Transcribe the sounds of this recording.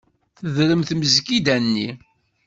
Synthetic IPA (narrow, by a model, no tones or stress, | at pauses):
θəðɾəmθməzkid̪ænːi